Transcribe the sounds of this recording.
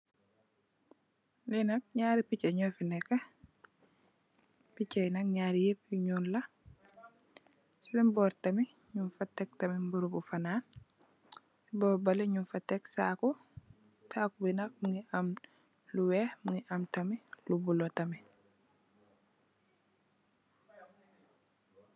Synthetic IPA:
linɐk̚ɲaːɾipicɛɲɔfinɛkːa | picajnɐk̚ɲaːɾijepːuɲuːnla | sibimbɔɾtɐmi | ɲunfatːɛk̚tɐmimbuɾubufanaːn | sibɔːbalɛɲunfatɛksaku | tʰaːkubinak̚muŋiʔam | luwɛmuŋɡiʔamtɐmilubulɔtɐmi

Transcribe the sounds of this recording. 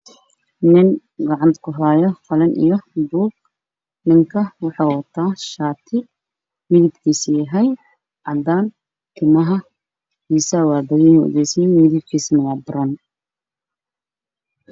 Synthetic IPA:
nɪn | ɡɑʕɑnt̪ʰkʰʊɦaːjɔχɐlɛnʔḭjɔbuːɡ̚ | nɪŋkʰɐwɑħɑːwɐt̪ʰaːʃaːt̪ʰɪ | mɪðɪbkʰiːsɪjɐɦɛj | ʕɑd̪aːn | t̪ʰɪmɐɦɐ | iːsɐwɑːbɐɣɛnɔ̰ðɛjsɐjmɪðɪb̚kʰiːsmɐjɑːbɪɾɐn

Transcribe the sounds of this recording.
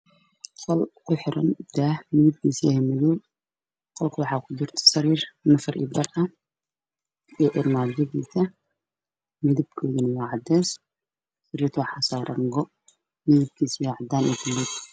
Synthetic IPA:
qɔlkʰʊħɪɾʔɐ̰nd̪̥aːhmɪðɪb̚kʰiːsɛhɛmɪðɔw | qɔlkʰɐwɑħɑːkʰʊd̪ʊrt̪ʰɐ̥sɐɾiːrnɐfɐrʔɪ̰bɐrɐ | ɛːʔɪrmaːd͡ʒɐðiːsɐ | mɪðɪb̚kʰɔːðɪnɐwɑːʕɑd̪ɛːs | sɐɾiːrt̪ʰwɑħɑːsaːɾʔɐ̰ŋɡɔ | mɪðɪb̚kʰiːsjaʕɑd̪aːnʔɛd̪ʊlɪd

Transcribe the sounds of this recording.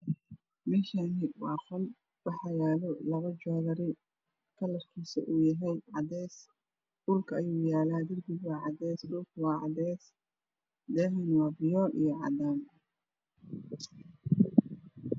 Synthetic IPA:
mɪʃanɪwɑːχɔl | wɑħɑjaːlɔlɐβɐd͡ʒɔːðɐɾɪ | kʰɐlɐfkʰiːsɐ̰ʔuːjɐɦɛjʕɑd̪ɛːs | ʔʊlkʰɐɐjuːjaːlaːd̪ɪrbɪɡwɑːʕɑd̪ɛːsdʊlkwɑːʕɑ̰d̪ɛːs | d̪ɛːɦɛnwɑːbɪjɔʔijɔʕɑ̰d̪aːn

